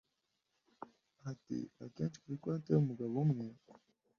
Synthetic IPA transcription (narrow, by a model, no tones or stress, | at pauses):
atḭa̰keːnt͡ʃi̥kuɾikwanteumuɡaβomŋe